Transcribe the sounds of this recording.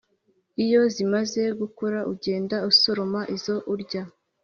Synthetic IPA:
ijo̞zimaze̞ɡukoɾaʔuɟe̞ːndauso̞ɾomaʔizo̞ʔuɾɟa

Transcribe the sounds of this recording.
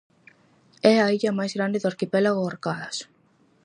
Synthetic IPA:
ɛaiʎɐmajzɣɾand̪ɪðʊaɾkipɛlaɣʊoɾkaðɐs

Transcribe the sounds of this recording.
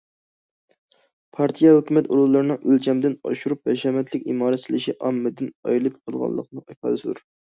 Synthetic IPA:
pʰɑɾt̪ʰijɑhykʲymɛt̪uɾulˠːɨɾɨnɨŋʔølt͡ʃʰɛmd̪ɪnɑ̰ʃuɾup̚bɛʃɛmɛt̪ʰlɪkʲimɑːɾɛt̪sɪlɪʃiʔɑmːɨd̪ɪnɑ̰jilˠɨpqʰəlˠʁɑ̰lˠːə̰qnɨɑjpʰɑ̰ːd̪ɨsɨd̪uɾ

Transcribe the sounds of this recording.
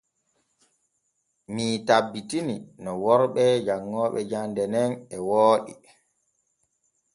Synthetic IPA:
mitabːitininɔwɔɾɓɛd͡ʒaŋːɔːɓɛ̰d͡ʒandɛnɛnɛwoːɗḭ

